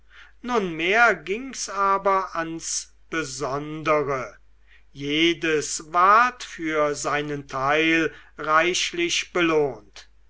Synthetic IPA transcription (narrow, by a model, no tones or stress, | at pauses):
nʊnmeːɐɡɪŋsaːbɐʔans | b̥əzɔndəʁə | jeːdəsvaɐtfyːɐzaɪnəntʰaɪlʁaɪʃlɪʃb̥əloːnt